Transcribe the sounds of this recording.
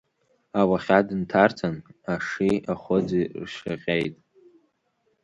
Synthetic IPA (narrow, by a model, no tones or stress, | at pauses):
awaχʲadɨntʰart͡sʼanaʂiaχʷʊd͡zirʃa̰qʲʼejtʼ